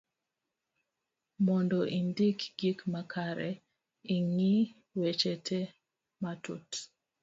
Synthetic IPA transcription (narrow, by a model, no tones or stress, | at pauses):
mɔndɔʔindikɡikmakʰaɾɛ̰ | iŋi | wet͡ʃetʰe | matṵt